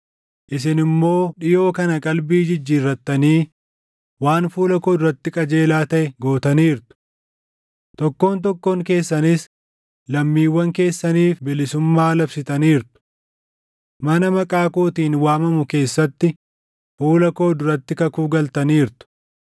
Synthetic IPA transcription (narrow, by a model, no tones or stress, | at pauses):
ʔɪs̬ɪnɪmːo̞ːᶑɪjo̞ːkɐnɐkʼɐlbiːd͡ʒɪd͡ʒːiːrːɐt̪ːɐniː | waːnfuːlɐko̞ːd̪ʊɾɐt̪ːɪkʼɐd͡ʒe̞ːlaːt̪ɐʔɛɡo̞ːt̪ɐniːɾt̪ʊ̥ | t̪ɔkːo̞ːnt̪̬ɔkːoːŋke̞ːsːɐnɪs | lɐmːiːwːɐŋke̞ːsːɐniːfbɪlɪsʊmːaːlɐbsɪt̪ɐniːɾt̪ʊ̥ | mɐnɐmɐkʼaːkoːt̪iːnwaːmɐmʊke̞ːsːɐt̪ːɪ | fuːlɐko̞ːd̪ʊɾɐt̪ːɪkɐkuːɡɐlt̪ɐniːɾt̪ʊ̥